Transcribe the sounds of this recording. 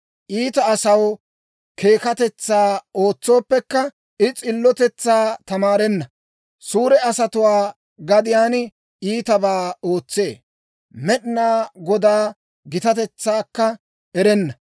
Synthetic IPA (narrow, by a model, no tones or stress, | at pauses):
ʔiːt̪ɐːsɐw | kʰe̞ːkɐt̪ɛt͡sːaːo̞ːt͡sːo̞ːpːɛkːɐ | ɪt͡sʼɪlːɔt̪ɛt͡sːaːt̪ɐmaːɾɛnːɐ | suːɾɛɐsɐt̪ʊwaː | ɡɐd̪ɪjaːn | iːt̪ɐbaːoːt͡sːe̞ː | mɛɗɪnaːɡɔd̪aː | ɡɪt̪ɐt̪ɛt͡sːaːkːɐ | ʔɛɾɛnːɐ